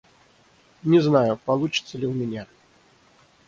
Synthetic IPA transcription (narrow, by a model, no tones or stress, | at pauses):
nʲɛznajupalˠut͡ʂɨ̥t̪sːəlʲiwmʲɛnʲɛ